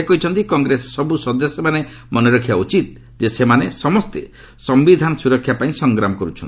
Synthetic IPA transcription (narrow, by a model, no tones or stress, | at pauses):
kɔɦit͡ʃʰɔnt̪ikɔŋɡɾesɔsɔbusɔd̪ɔsɔmane | mɔnɔɾɔkʰːjaut͡ʃit̪̚ | d͡ʒesemanesɔmɔst̪e | sɔmbid̪ʱanɔsuɾɔkʰːjapaĩsɔŋɡɾamɔkɔɾut͡ʃʰɔni